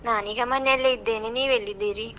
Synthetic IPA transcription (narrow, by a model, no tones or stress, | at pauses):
naːniɣɐmɐnːelːeid̪ːeneniːʋelːid̪eɾi